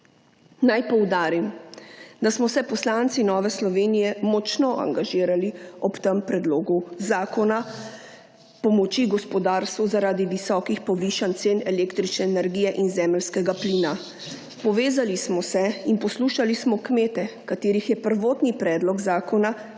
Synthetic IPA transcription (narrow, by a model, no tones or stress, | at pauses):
najpɔwd̪aːɾim | d̪asmɔsɛpɔslant̪sinɔːʋɛslɔʋeːnijɛmɔt͡ʃnɔʔa̰ŋɡaʒiːɾaliɔpt̪əmpɾɛd̪loːɡuzaːkɔna | pɔmɔt͡ʃiɡɔspɔd̪aːɾst̪ʋuzaɾaːd̪iʋisɔːkixpɔʋiːʃant̪seːnɛleːkt̪ɾit͡ʃnɛːnɛɾɡijɛʔinzɛːməlskɛɡapliːna | pɔʋeːzalismɔsɛinpɔsluːʃalismɔkmeːt̪ɛkat̪eːɾixjɛpəɾʋoːt̪nipɾɛːd̪lɔɡzaːkɔna